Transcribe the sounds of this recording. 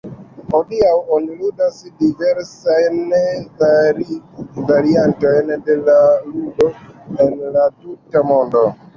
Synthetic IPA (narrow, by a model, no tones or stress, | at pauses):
hodiawoniludasdiveɾsajnvaɾivaɾiantojndelaludo̞enlatutamo̞ndo